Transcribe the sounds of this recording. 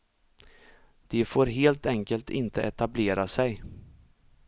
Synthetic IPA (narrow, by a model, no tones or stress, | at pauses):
d̪̥ɛfoːɾɦeːlt̪ɛŋkəlt̪ʰɪnt̪ʰəʔɛt̪ableːɾasɛj